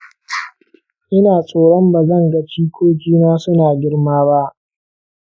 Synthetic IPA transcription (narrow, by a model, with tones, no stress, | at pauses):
ʔɪ˦naː˨sʼoː˨ɽɔ˦mba˨zɐ˦˨ŋɡa˦t͡ʃiː˦kʷoː˦d͡ʒʲiː˦naː˦sʊ˦naː˨ɡʲɪ˦ɽmaː˦ba˦ʔ